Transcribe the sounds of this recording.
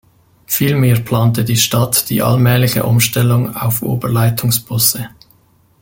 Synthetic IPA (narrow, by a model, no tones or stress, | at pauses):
fiːlmeːɐpʰl̥ɑːntədiːʃtɑtd̥ḭːʔɑ̰lmɛːlɪçə̰ʔʊmʃtɛlʊŋa̰ʊfʔo̰ːbəʁlaɪtʰʊŋsb̥ʊsə